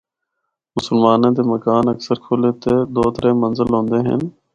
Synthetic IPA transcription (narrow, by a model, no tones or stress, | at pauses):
mʊsəlmaːnẽːd̪eːməkaːnəksəɾkʰoːleːt̪eːd̪oːt̪əɾẽːmənzəlɦõːnd̪eːɦə̰n